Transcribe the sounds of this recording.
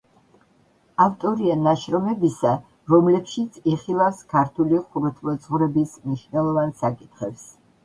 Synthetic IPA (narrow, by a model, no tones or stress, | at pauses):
aft̪ʼɔɾianaʃɾɔmɛbisa | ɾɔmlɛpʃit̪sʰiχilˠafskʰaɾt̪ʰuliχuɾɛt̪ʰlɔd̪zʁɾɛbismniʃvnɛlˠɔvansakʼit̪ʰχɛps